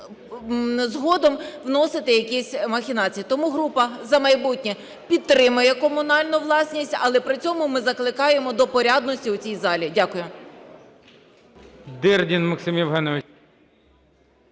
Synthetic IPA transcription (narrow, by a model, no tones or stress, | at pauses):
zɦɔd̪ɔmwnɔsɪt̪ɪjɐkisʲmɐxʲɪnɑt͡sʲijit̪ɔmuɦɾupɐzɐmɐjbutʲnʲɛ | pʲid̪t̪ːɾɪmʊjɛkɔmʊnɑlʲnʊʋlˠɑsʲnʲisʲtʲɐlˠɛpɾɪt͡sʲɔmʊmɪzɐklˠɪkɑjemɔd̪ɔpɔɾʲɑd̪nɔsʲtʲiwʊt͡sʲijzɑlʲidʲakʊjʊ | d̪ɪrdʲinmɐksɪmʲiwɦɛnɔʋɪ